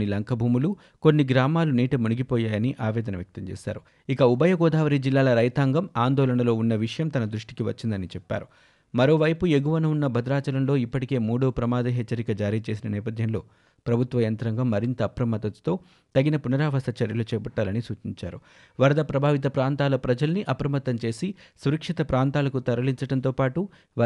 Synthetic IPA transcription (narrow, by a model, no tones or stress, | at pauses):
nilɐŋkʰɐbʱuːmulu | konːiɡɾaːmaːluniːʈɐmuniɡipɔːjaːjɐniʔaːʋɛːd̪ɐnɐʋjɐk̚t̪ɐmt͡ʃḛːsa̰ːɾu | ikɐubɐjɐɡɔːd̪ʱaːʋɐɾid͡ʒilːaːlɐɾɐjt̪aːŋɡɐmaːnd̪ɔːlɐɳɐlo̞ːunːɐʋiʂɐjɐmt̪ɐnɐd̪ɾuʂʈikiʋɐt͡ʃːind̪ɐnit͡ʃɛpːa̰ːɾu | mɐɾo̞ːʋɐjpue̞ɡuʋɐnuunːɐbʱɐd̪ɾaːt͡ʃɐlɐnlo̞ːipːɐʈike̞ːmuːɽoːpɾɐmaːd̪ɐɦɛt͡ʃːɐɾikɐd͡ʒaːɾiːt͡ʃe̞ːs̬inɐnɛːpɐd̪ʱjɐnlo̞ː | pɾɐbʱut̪ʋɐjɐnt̪ɾɐŋɡɐmːɐɾint̪ɐːpɾɐmɐt̪ːɐt̪t̪o̞ː | t̪ɐɡinɐpunɐɾaːʋɐst̪ɐt͡ʃɐɾjɐlut͡ʃɛːpɐʈːaːlɐnisuːt͡ʃiɲt͡ʃa̰ːɾu | ʋɐɾɐd̪ɐpɾɐbʱaːʋit̪̬ɐpɾaːnt̪aːlɐpɾɐd͡ʒɐlɐniʔɐpɐɾɐmɐt̪ːɐmt͡ʃe̞ːsisuɾɐkʂit̪ɐpɾaːnt̪aːlɐkut̪ɐɾɐliɲt͡ʃɐɽɐnt̪o̞ːpaːʈu